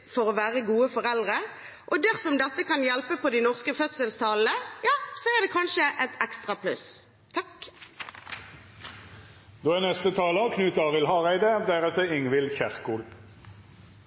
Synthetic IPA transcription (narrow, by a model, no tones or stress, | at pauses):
fɔʁoːʋæːʁəɡuːəfɔʁɛld̪ʁə | ʔɔd̪æʁsɔmd̪ɛt̪ːəkʰɑnjɛlpəpʰɔd̪inɔʁskəfœt̪səlst̪ʰɑːlnəjɑːsɔæʁd̪ɛːkʰɑnʃəʔɛt̪ʰɛkst̪ʁɑpʰlʉ̰s | t̪ʰɑk | d̪̥oːɛnɛst̪ət̪ʰɑːləkʰnʉːt̪ɑːʁɪlhɑːʁæɪd̪əd̪æʁɛt̪əɪŋʋɪlçæʁkuːl